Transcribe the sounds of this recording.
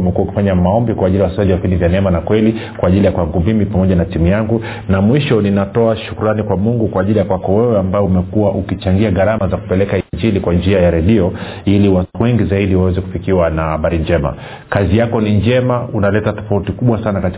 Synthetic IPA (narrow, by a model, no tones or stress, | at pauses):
mɛkuauki̥faɲamaɔmbikwaːʄiliwasaʄiwavipindivjanɛɛmanakwɛlikwaːʄilijakwaŋɡumimipamɔʄanatimujaŋɡu | namwiʃɔninatɔaʃukuɾanikwamuŋɡukwaːʄilijakwakɔwɛwɛambaɛumɛkuwaʔukit͡ʃaŋɡiaɣaɾamazaku̥pɛlɛkaiɲd͡ʒilikwand͡ʒiajaɾɛɗiɔ | iliwatuwɛŋɡizaiɗiwawɛzɛku̥fikiwanahaɓaɾiɲd͡ʒɛma̰ | kazijakɔniɲd͡ʒɛmaunalɛtatɔ̥fautikuɓwasanakati̥